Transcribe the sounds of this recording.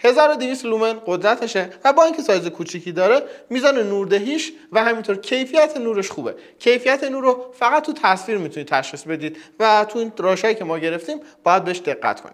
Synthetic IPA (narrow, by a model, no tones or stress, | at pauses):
he̞zɒːɾod̪ivist̪lumenɢo̞d̪ɾæt̪ʰeʃevæbɒːiŋcʰe̞sɒːjezekʰuːt͡ʃʰicʰiːd̪ɒːɾe̞miːzɒːnenuːɾd̪eɦiːʃvæhæmint̪o̞ɾcʰe̞jfijæt̪ʰenuːɾe̞ʃxuːbe̞̰cʰe̞jfijæt̪ʰenuːɾofæɣæt̪̚ʰːut̪ʰæsviːɾmit̪ʰuniːt̪ʰːæʃχiːsbe̞d̪iːd̪væt̪ʰuiːnɾɒːʃhɒːjicʰe̞mɒːɟe̞ɾe̞ft̪iːmb̥ɒːjæd̪̚beeʃd̪e̞ɣːæ̰t̪ʰkʰoni